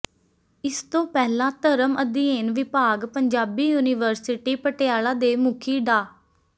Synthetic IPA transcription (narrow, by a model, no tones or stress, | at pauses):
ɪst̪õːpɛːlãːt̪əɾəməd̪iːeːnʋɪpaːɡpəɲd͡ʒaːbiːjuːnɪːʋəɾsɪʈiːpəʈeaːlãːd̪eːmʊkʰiːɖaː